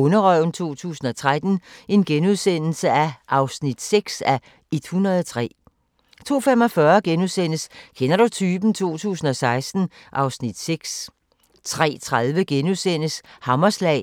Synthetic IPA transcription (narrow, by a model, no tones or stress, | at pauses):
ɔnɐʁœʊnt͡sʰo̝̰ːt͡sʰṵːsn̩ɒ̽t͡sʰʁad̥n̩e̝nɡ̥enuð̞ˠsen̰l̩səæʔɑ̈ʊsnid̥seɡ̥sæ | ed̥hunɐðˠɒt͡sʰʁɛ̰ː | t͡sʰo̝̰ːfemɒ̽fɶɐɡ̥enuðˠsen̰əskʰenɐɾ̥ut͡sʰyːb̥n̩t͡sʰo̝̰ːt͡sʰṵːsn̩ɒ̽sɑ̈ɪsd̥n̩ | ʔɑ̈ʊsnid̥seɡ̥s | t͡sʰʁɛ̰ːt͡sʰʁaðˠʋəɡ̥enuðˠsen̰əshɑ̈mɐslɛ̰ː